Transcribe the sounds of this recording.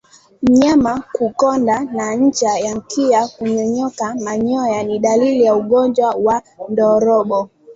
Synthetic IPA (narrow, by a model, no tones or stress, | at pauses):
m̩ɲamakukɔndanaɲ̩t͡ʃajaŋ̩kʰiakuɲɔɲɔkamaɲɔjaniɗalilijauɠɔnd͡ʒwawa | ndɔɾɔɓɔ